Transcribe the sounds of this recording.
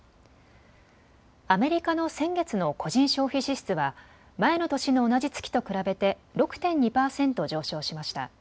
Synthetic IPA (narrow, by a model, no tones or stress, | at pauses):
ame̞ɾʲikano̞sẽ̞ŋɡe̞t͡sɨno̞ko̞ʑĩɰ̃ɕo̞ːçiɕiɕɨ̥t͡sɨβa | mae̞no̞t̪o̞ɕino̞ːnad͡ʑit͡sɨ̥kʲi̥t̪o̞kɯ̟ɾabe̞t̪e̞ɾo̞kɯ̟̥t̪ẽ̞ɲ̟ɲipaːsẽ̞nt̪o̞d͡ʑo̞ːɕo̞ːɕimaɕi̥t̪a̰